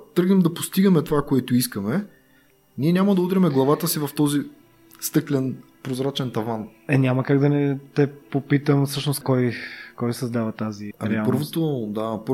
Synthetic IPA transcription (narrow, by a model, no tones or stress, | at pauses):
t̪ɾɡnɛmd̪ɐpost̪iɡɐmɛt̪ovakoɛt̪ʊiskɐmɛ | nʲiɛnʲamɐd̪ɐud̪ɾɛmɛɡlˠɐvat̪əsivɐft̪ɔzi | st̪ɤklʲɛn | pɾozɾat͡ʃɛnt̪ɐvanɛnʲamɐkaɡd̪ɐnɛt̪ɛpopit̪əmfsɤʃnoskɔjkɔjsɐzd̪avɐt̪aziɐɾiɛapɤɾvot̪od̪ap